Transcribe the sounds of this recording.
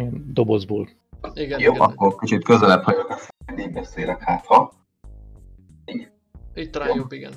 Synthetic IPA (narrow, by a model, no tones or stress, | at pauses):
ɛnd̪o̞bozboːl | joːʔɒ̰kːorkit͡ʃit̪køzɛlɛphɒɟokɛfneːmbɛseːlɛkhaːt̪hɒ | iɡɛ | oɡn